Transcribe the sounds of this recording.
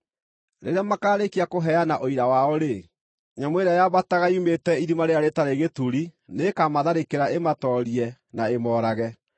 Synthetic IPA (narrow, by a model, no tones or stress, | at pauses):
ɾḛɾeamakaːɾekiakoɦɛanaʔoiɾawaɔɾe | ɲamweɾajaβataɣaiumetɛiɾimaɾeaɾetaɾeɣetuɾinekamaðaɾekeɾaʔematɔɾiɛnaemɔːɾaɣɛ